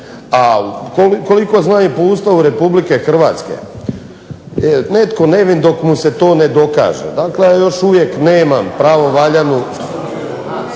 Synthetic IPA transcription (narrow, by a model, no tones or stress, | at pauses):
akoliko̞liko̞znaːɲepoust̪auɾe̞publike̞xr̩ʋaːt̪skḛ | net̪ko̞neʋind̪o̞kmuse̞t̪o̞ːned̪o̞ka̰ːʒḛd̪aklejaːjo̞ʃuʋjekneːmampɾaːʋo̞ʋaʎanu